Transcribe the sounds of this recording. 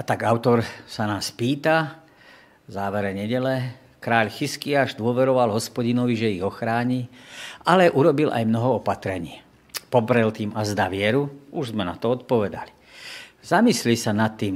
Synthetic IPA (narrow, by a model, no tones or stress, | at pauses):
at̪aɡaʊt̪ɔɾsanaːspiːt̪a | zaːʋɛɾɛɲɛɟɛlɛ | kɾaːʎxiskiaːʒd̪ʊɔʋɛɾɔʋalɦɔspɔɟinɔʋiʒɛiɣɔxɾaːɲiʔalɛʔuɾɔbilʔa̰jmnɔɦɔɔpat̪ɾɛɲɪiː | pɔpɾɛlt̪iːmazd̪aʋɪɛɾuuʒzmɛna̰t̪ɔɔt̪̚pɔʋɛd̪ali̥ | zamislisanat̪ːiːm